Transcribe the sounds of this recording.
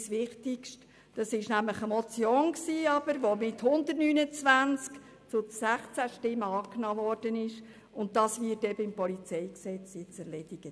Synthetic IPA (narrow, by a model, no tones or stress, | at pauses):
sʋɪχtɪkʃt | d̥ɑsɪʃnæmləχəmɔt͡sjɔŋksiːɑb̥əɾʋomɪthʊndətnyːnət͡svænt͡sk | t͡sʊdsæχt͡sæʃtɪmːəɑːknɑːvɔɾd̥ənɪʃ | ʊnt̚dɑsʋɪːtɛbəɪmpɔlit͡sɛjksɛt͡sjɛt͡sɛɾlɛd̥ɪɡ̥ə